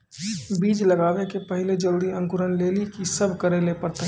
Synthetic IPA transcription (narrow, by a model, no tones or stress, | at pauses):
biːd͡ʒlɐɡaːʋekepɐɦɪled͡ʒəɾuːɾiɐ̃ŋkʊɾənleːlikisəbʱkɐɾelepəɾt̪a